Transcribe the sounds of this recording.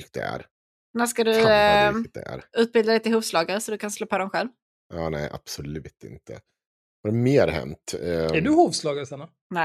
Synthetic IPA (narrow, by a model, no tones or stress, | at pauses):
k̚d̪ɛ̰æ̰ɾ | næʂkad̪ɵ | d̪ɛ̰æ̰ɾʉ̟ːt̪̚bɪld̪ad̪ɛjt̪ɪlhuːvslɑːɡaɾsɔd̪ɵkʰansloːpʰoːd̪ɔmɧɛlv | ʔɑːnɛɪʔa̰b̥sɔlʉ̟ːt̪ɪ̰nt̪ʰə̰ | haɾmeːɾɦɛ̰nt̪ɛɖɵhuːvslɑːɡasana | nɛ